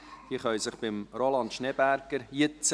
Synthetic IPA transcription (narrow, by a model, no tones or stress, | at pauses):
hiːχœʏsəχb̥ɪmrolɑnt̪ʃnɛbæɾɡəɾjɪt͡s